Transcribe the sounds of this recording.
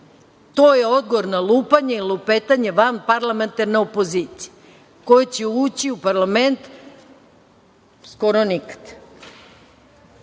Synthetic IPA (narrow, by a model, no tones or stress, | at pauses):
t̪oːjeo̞d̪̚ɡoʋoɾnalˠuːpaɲeilupet̪aɲeʋanpaɾlˠament̪aɾneopo̞ziːt̪sije | ko̞jet͡ɕeuːt͡ɕiupaɾlame̞nt̪ | skoɾonikḁd̪̥